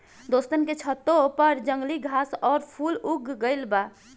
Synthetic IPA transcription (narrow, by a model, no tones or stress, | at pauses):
d̪ost̪ənket͡ʃʰət̪ːopəɾd͡ʒəŋɡliɡʱasɔːɾpʰuluɡːəɪlba